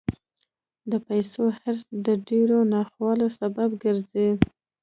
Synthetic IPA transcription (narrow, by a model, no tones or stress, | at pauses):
d̪əpajsohaɾsd̪əɖeɾonɑxwɑlosababɡəɾzi